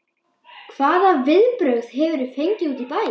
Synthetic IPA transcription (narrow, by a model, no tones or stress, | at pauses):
kʰv̥aːðavɪðpɾœwð̥ɦɛvʏɾʏ̥fejɲcɪuːt̪ipaːj